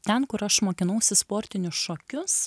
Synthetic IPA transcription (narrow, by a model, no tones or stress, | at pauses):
t̪ʲɛnkʊɾɐʃmoːkʲɪnɐʊsʲɪspoːɾʲt̪ʲɪnʲʊsʃoːkʲʊs